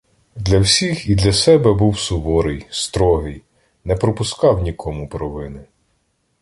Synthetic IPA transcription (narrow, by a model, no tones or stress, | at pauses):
d̪lʲɐwsʲixid̪lʲɐsɛbɛbuwsʊbɔɾɪjst̪ɾɔɦɪj | nɛpɾɔpʊskɑwnʲikʰɔmʊpɾɔʋɪnɪ